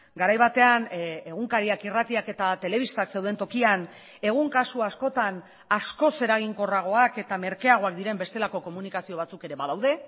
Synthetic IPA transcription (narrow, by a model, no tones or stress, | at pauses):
ɡaɾajβat̪e̞ane̞ɣ̞uŋkaɾiakirat̪iake̞t̪at̪e̞le̞β̞ist̪akse̞wð̞e̞nt̪o̞kian | e̞ɣ̞uŋkasuasko̞t̪an | asko̞se̞ɾaɣ̞iŋko̞raɣ̞o̞ake̞t̪ame̞ɾkeaɣ̞o̞ak̚d̪iɾe̞mbe̞st̪e̞lako̞ko̞munikasio̞βat͡suke̞ɾe̞βaðawðe̞